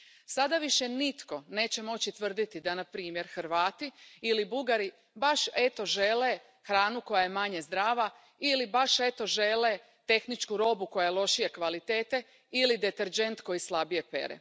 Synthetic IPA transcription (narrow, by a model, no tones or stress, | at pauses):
sad̪aʋiʃenit̪ko̞ne̞ːt͡ɕe̞mo̞t͡ɕit̪ʋr̩d̪it̪id̪anapɾiːmje̞ɾxɾʋaːt̪iilibuɡaɾi | baʃet̪o̞ʒele | xɾaːnuko̞jaje̞maɲe̞zd̪ɾaːʋa | ilibaʃe̞t̪o̞ʒele | t̪e̞xnit͡ʃkuɾo̞buko̞jajelˠo̞ʃije̞kʋalit̪e̞ːt̪e̞ | ilid̪e̞t̪eɾd͡ʒe̞nt̪ko̞jislˠabije̞pe̞̰ɾḛ